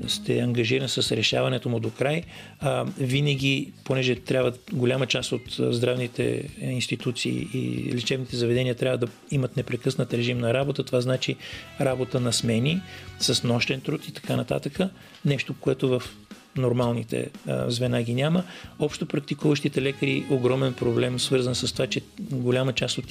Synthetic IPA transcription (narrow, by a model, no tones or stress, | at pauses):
st̪ɛ̰ɐŋɡɐʒiɾɐnsəsɾɛʃa̰vɐnɛt̪omʊd̪okɾaj | vinəɡ̟iponɛʒɛt̪ɾʲabvəɡolʲamət͡ʃast̪ot̪zd̪ɾavnit̪ɛ̰inst̪it̪ut̪sḭːḭːlit͡ʃɛvnit̪ɛzɐvɛd̪ɛniət̪ɾʲavəd̪ɐ | imət̪nɛpɾɛkɤsnət̪ɾɛʒimnɐɾabot̪ət̪ovaznat͡ʃiɾabot̪ənɐsmɛnisəsnɔʃt̪ɛnt̪ɾut̪it̪ɐ̥kanɐt̪a̰t̪əkə | nɛʃt̪okoɛt̪ovəf | noɾmalˠnit̪ɛ̰zvɛnaɡʲinʲaməɔpʃt̪opɾɐk̚t̪ikuvəʃt̪it̪ɛlɛkəɾiʔoɡɾɔmɛnpɾoblɛmsvɤɾzənsɐst̪ovat͡ʃɛɡolʲamət͡ʃast̪ot̪